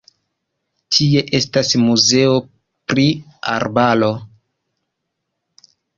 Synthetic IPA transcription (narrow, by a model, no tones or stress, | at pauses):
tʰie̞ʔe̞stasmuze̞o̞ | pɾi | a̰ɾbalo̞